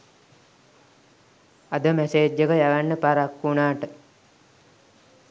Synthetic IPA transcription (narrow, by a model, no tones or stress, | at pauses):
ad̪əmæseːd͡ʒəkəjaʋanːəpaɾakːunaːʈə